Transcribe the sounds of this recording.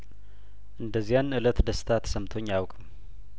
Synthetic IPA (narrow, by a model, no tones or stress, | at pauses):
ʔɨnd̪əzːijanɨlət̪d̪əst̪ʰat̪səmt̪ʰo̞ɲːjawkʼəm